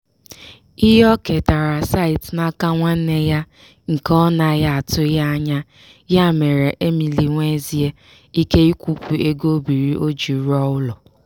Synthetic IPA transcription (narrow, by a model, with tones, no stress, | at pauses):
i˦ɦɔ˦ke˨ta˨ɾa˨sa˦ɪ˨tna˦ka˦ŋʷa˦n̩˦ne˦ja˦ | ŋ̩˨kɔ˦na˨ja˦a˨tʊ˦ja˦ɲa˦ | ja˦˨me˨ɾe˨ʔe˦mi˨li˨ŋʷe˦zi˦e˦ | i˦ke˦i˦kʷu˦kʷu˨e˦ɡo˦bi˨ɾi˦ʔo˦d͡ʒi˨˦ɾɔ˦ʊ˦lɔ˨